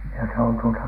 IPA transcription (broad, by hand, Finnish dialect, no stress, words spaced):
jɑ se on tuotɑ